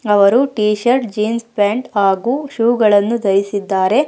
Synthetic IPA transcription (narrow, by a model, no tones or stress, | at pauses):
ɐʋɐɾuʈiːʃɐɾʈd͡ʒiːnspaːɳʈaːɡuːʃuːɡɐɭɐnːud̪ɐɾisid̪ːaːɾe̞